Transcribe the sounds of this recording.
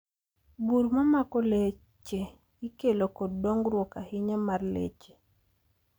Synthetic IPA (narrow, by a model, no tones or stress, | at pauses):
buɾmamakɔle | t͡ʃe | ikelokɔddoŋɡɾwɔkahɪɲamarlḛt͡ʃe̥